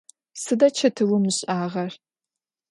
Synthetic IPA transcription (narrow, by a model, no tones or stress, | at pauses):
sɨdɐt͡ʃʰɐtʰɨwʊmɨɕʼaːʁɐr